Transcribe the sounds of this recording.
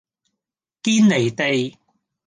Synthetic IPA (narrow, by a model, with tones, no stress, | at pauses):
kiː˥nle˨˩jt̪e˨j